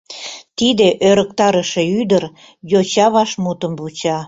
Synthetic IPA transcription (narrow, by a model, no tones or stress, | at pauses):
t̪id̪eʔøɾək̚t̪ɑɾəʃeyd̪əɾ | jot͡ɕɑβɑʃmut̪əmβut͡ɕɑ